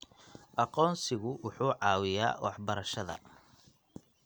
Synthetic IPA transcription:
ʔɑqɔːnsɪɣʊwʊħuːʕɑːwɪja̰ːwɑ̰ħbɐɾɐʃɐðɐ̰

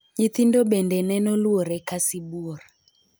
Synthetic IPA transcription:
ɲit̪indɔɓɛndɛnɛnɔlwɔɾɛkasibuɔr

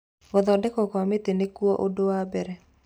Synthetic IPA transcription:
ɡɔðɔdɛkɔkwamet̪enekuɔʔodowabɛɾɛ

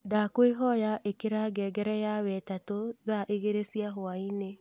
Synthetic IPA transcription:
dakweɦɔjaʔekeɾaɡɛɡɛɾɛjaβɛtatoðaʔeɣeɾesiaɦoaine

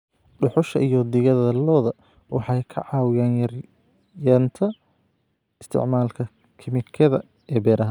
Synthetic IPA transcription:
ɖʊħʊʃɐ̰ʔijɔd̪ɪɣɐðɐlɔːðɐ | wɑħɑjkʰɐ̰ʕɑːwɪjaːnjɐr | jɐːnt̪ʰɐ | ɪst̪ʰɪ̰ʕmaːlkʰɐ | kʰɪmɪkʰɐðɐ̰ | ɛːbɛːɾʔɐɦɐ

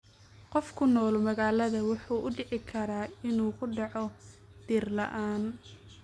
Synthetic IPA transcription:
qɔfkʰʊnɔːlmɐɣaːlɐðɐwʊħuːʔʊɖɪʕɪkʰɐɾaːɪnuːkʰʊɖɑʕɔ | d̪̥iːrlɐ̰ʔaːn

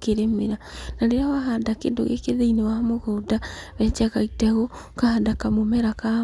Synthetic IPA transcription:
keɾemeɾanaɾeɾawaɦadakḛndo̰ɣḛkeðeinewahamoɣoːdaβɛːt͡ʃakaitɛɣokahadakamomɛɾaka

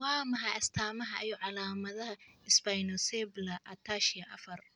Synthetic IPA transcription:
waːmɐɦaɐst̪ʰaːmɐɦɐʔɛjɔʕɑlaːmɐðɐɦɐɪsbajnɔsɛblɐʔɐt̪ʰaːʃɪjɐʔɐfɐr

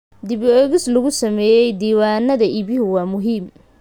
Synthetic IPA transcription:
d̪ɪβɔɣɪslɐɣʊsɐmɛːjɛjd̪iːwaːnɐðɐʔɪβɪhʊwaːmʊɦiːm

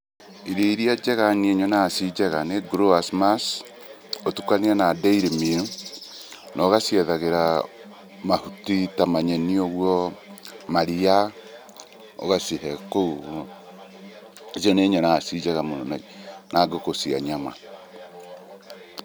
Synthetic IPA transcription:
iɾiɾiad͡ʒɛɣaneɲɔnasid͡ʒɛɣaneɡɾoasmas | otukanianadeiɾemiɾu | nʔɔɣasiɛðaɣeɾa | mahutitamaɲenioɣwɔ | maɾia | o̰ɣasiɦɛkou | ziɔneɲɔnasid͡ʒɛɣamonɔnanʔaɡokosia̰ɲama̰

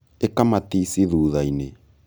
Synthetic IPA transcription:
ekamatisiðuðaine

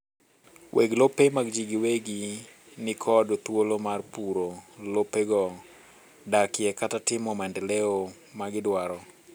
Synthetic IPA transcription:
wʔeɡlopemaɡd͡ʒiɡiweɡi | nɪkʰɔdot̪wolomarpuɾolopeɡɔ | dakɪjɛkatatɪmɔmandɛleo | maɡɪdwaɾɔ

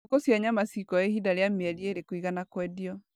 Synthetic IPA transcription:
kosjaɲamasikɔehidaɾeameɛɾieɾekoiɣanakwɛdiɔ

